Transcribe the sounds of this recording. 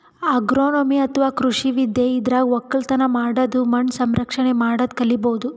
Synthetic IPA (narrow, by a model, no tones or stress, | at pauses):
aɡɾoːnomiɐt̪ʰɐʋaːkɾuʂiʋid̪jeid̪ɾaːɡɔkːɐlt̪ɐnɐmaːɽɐd̪umɐɳɖsɐmɾɐkʂɐɳemaːɽɐd̪̚kɐliboːd̪u